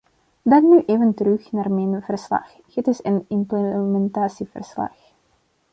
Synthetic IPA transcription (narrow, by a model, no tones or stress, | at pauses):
dɑŋnyʔeːvəntəɾɵxnaːrmɛjnv̥ərslɑ̰x | hɪtɪsənɪmpləmɛntaːsivə̰rslɑ̰x